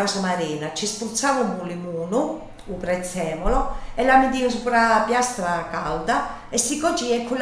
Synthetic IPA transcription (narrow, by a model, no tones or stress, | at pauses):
awsamaɾiːnat͡ʃispɾut̪sːavumulːimuːnu | upɾɛt̪sːɛːmɔlɔɛlːamid̪ius̬upɾapjast̪ɾakawd̪a | ɛsːikɔt͡ʃiɛkːul